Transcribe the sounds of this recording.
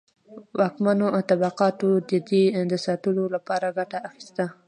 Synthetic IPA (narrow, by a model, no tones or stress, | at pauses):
wɑkmanoat̪abaqɑt̪od̪əd̪ed̪əsɑt̪əlolapɑɾaɡaʈaːxi̥st̪a